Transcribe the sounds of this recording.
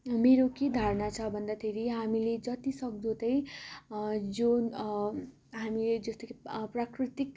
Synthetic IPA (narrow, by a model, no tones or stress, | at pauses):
meɾoked̪ʱaɾnat͡sʰʌbʱʌnd̪at̪ʰeɾiɦamiled͡zʌt̪isʌk̚d̪ot̪ʌj | d͡zo | ɦamiled͡zʌst̪ekprakrit̪ik̚